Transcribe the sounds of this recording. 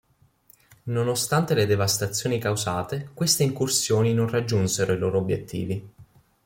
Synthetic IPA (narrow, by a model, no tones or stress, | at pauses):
nonost̪ant̪eled̪evast̪at̪sːjoːnikawsaːt̪ekwest̪eiŋkursjoːninonrad͡ʒːunseɾoiloːɾoobjet̪ʰːḭːvi